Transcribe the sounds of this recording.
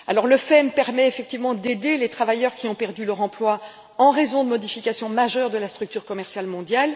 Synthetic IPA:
a̰lɔʁləfɛmpɛʁmɛefɛk̚t̪ivmɑ̃d̪ed̪elet̪χavajœʁkʲiɔ̃pɛʁd̪ylœʁɑ̃plwa | ɑ̃ʁezɔ̃d̪əmɔd̪ifikʲasjɔ̃maʒœʁd̪əlast̪χyk̚t̪yːʁkɔmɛʁsjalmɔ̃d̪jal

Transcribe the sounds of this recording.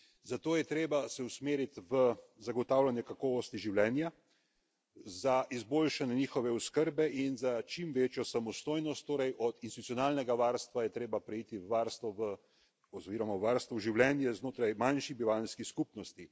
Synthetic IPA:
zat̪oːjɛt̪ɾeːbasɛusmeːɾit̪ʋəzaɡɔt̪aːwlanjɛkakɔːʋɔst̪iʒiwlɛːnja | zaʔizboːlʃanjɛniːxɔʋɛɔskəɾbɛʔinzat͡ʃimʋeːt͡ʃjɔsamɔst̪oːjnɔst̪ːoːɾɛjʔɔd̪inst̪it̪ut͡ssjɔnaːlnɛɡaʋaːɾst̪ʋajɛt̪ɾeːbapɾɛiːt̪iʋaɾst̪ʋɔʋə | ɔziːɾɔmaʋaɾst̪ʋɔʒiwlɛnjɛznoːt̪ɾajmanʃibiʋalnskiskupnɔst̪i

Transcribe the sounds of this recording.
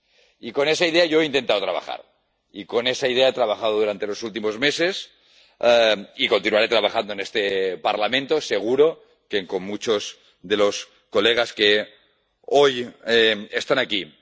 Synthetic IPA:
iko̞ne̞saiðeaʝoeint̪ent̪aðo̞t̪ɾaβa̰xa̰ɾ | iko̞nesaiðeaet̪ɾaβ̞axað̞oðuɾant̪e̞lo̞sult̪imozme̞se̞s | ikont̪inuaɾe̞t̪ɾaβaxand̪oenest̪epaɾlamẽnt̪o̞se̞ɣ̞uɾo̞ | keŋkomːut͡ʃoz | ðe̞lo̞s | ko̞leɣ̞aske | ojeest̪anaki

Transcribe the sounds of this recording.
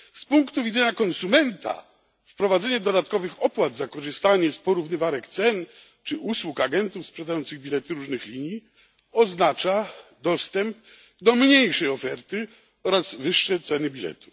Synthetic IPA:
spuŋkt̪uvʲidzɛɲakɔnsumɛnt̪ʰa̰ | fpɾɔvad̪zɛɲɛd̪ɔd̪at̪kɔvɘxɔpwad̪zakɔʐɘst̪aɲɛspɔɾuvnɘvaɾɛkt̪sɛn | t͡ʂɘuswukaɡɛnt̪ufspʂɛd̪ajɔnt̪sɘɣbʲilɛt̪ɘɾuʐnɘxlʲiɲji | ɔznat͡ʂad̪ɔst̪ɛmp̚ | d̪ɔmɲejʂɛjɔfɛɾt̪ɘ | ɔɾazvɘʂːɛt̪sɛnɘbʲilɛ̰t̪u̥

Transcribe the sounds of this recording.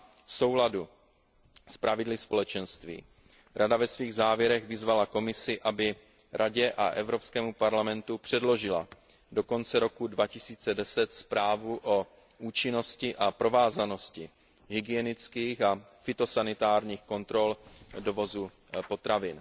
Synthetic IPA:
fso̞wladu | spɾavɪdlɪspo̞lɛt͡ʃɛnst̪vḭː | ɾʔadavɛsviːɣzaːvjɛɾɛɣvɪzvalako̞mɪsɪʔabɪ | ɾaɟɛʔaʔɛvɾo̞pskɛːmupaɾlamɛnt̪upr̥ɛdlo̞ʒɪla̰ | do̞ko̞nt͡sɛɾo̞kudvacɪsiːt͡sɛdɛsɛt̪spɾaːvuʔo | ʔuːt͡ʃɪno̞scɪʔapɾo̞vaːzano̞scɪ | ɦɪɡɪjɛnɪt͡skiːxa | fɪt̪o̞sanɪt̪aːɾɲiːxko̞nt̪ɾo̞ldo̞vo̞zu | po̞t̪ɾavɪn

